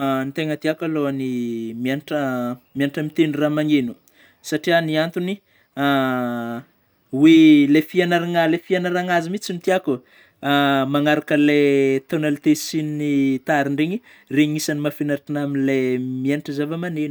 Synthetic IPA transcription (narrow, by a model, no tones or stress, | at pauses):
nit̪eŋət̪iakaloanimianʈ͡ʂəmianʈ͡ʂəmit̪enuramaŋenu̥ | saʈ͡ʂianiant̪uni | a | welefianaɾaŋalefianaɾaŋazimit͡simit̪iaku | amaŋaɾakəlet̪onalit̪esinnit̪aɾiɳɖ͡ʐeɲi | reɲisanimafinaɾʈ͡ʂinaminlemianiʈ͡ʂəzavamanenu̥